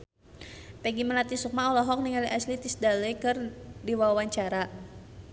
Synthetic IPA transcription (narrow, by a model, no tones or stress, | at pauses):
pɛɡiməlat̪isuk̚maɔlɔɦɔk̚niŋaliʔaslit̪isdaləjkɨrdiwawaɲt͡ʃaɾa